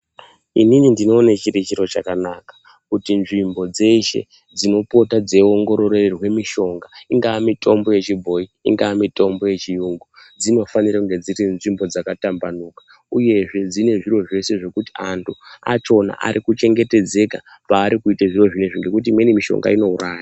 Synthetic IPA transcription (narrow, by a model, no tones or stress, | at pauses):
ininindino̞ːnet͡ʃirit͡ʃiɾo̞t͡ʃakanakḁ | kutinʐimbo̞d͡ze̞ʃe̞̰ | d͡zino̞po̞tad͡ze̞oŋɡo̞ɾo̞rererwe̞miʃo̞ŋɡaiŋɡaːmito̞mbo̞je̞t͡ʃibʱo̞iiŋɡaamito̞mbo̞je̞t͡ʃijuŋɡud͡zino̞fanirɾakuŋɡe̞d͡ziɾinʐimbo̞d͡zakatambanukḁ | uje̞ʐe̞d͡zine̞ʐirwo̞ʐe̞se̞ʐe̞kutiantʰua̰t͡ʃo̞na̰ʔa̰ɾʔikut͡ʃe̞ŋɡe̞te̞d͡ze̞ka | paːɾikuiteʐiro̞ʐineʐiŋɡekut̬iːmwenimiʃo̞̰ŋɡa̰ino̞uraːja